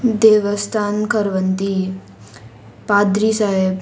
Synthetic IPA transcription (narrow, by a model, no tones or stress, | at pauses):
d̪eːʋəst̪ʰaːnkəɾʋənt̪i | pad̪ɾisaɦeb